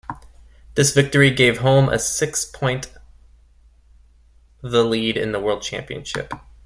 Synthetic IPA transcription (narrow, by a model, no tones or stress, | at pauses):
ðɪsv̥ɪk̚tə˞iɡeɪv̥ɦõʊ̃mʔə̰sɪkspʰɔ̃ɪ̃nt | ðəliɾɨ̰̃nðəwɜ˞lˠd̚t͡ʃʰæ̰̃mpiɨ̰̃nʃɪ̰p